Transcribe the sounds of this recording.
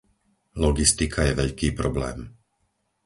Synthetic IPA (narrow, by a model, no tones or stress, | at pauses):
lɔɡist̪ikʰajɛʋɛʎkiːpɾɔblɛ̰ːm